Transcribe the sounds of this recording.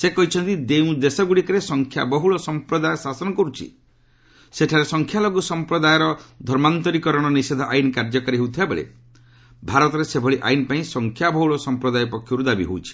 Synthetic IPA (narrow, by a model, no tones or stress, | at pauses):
sekɔɦit͡ʃʰɔnt̪id̪eũd̪esɔɡuɽikɔɾesɔŋkʰja̰bɔɦuɭɔsɔmpɾɔd̪ajɔsasɔnɔkɔɾut͡ʃʰḭ | seʈʰaɾesɔŋkʰjalɔɡusɔmpɾɔd̪ajɔɾɔd̪ʱɔɾmant̪ɔɾikɔɾɔɽ̃ɔnised̪ʱɔʔajnkaɾd͡ʒɔkaɾiɦewt̪ʰibabḛɭḛ | bʱaɾɔt̪ɔɾesebʱɔɭiʔa̰jnpaĩsɔŋkʰjabɔɦuɭɔsɔmpɾɔd̪ajɔpɔkʰːjɔɾud̪abḭɦo̰ut͡ʃʰi̥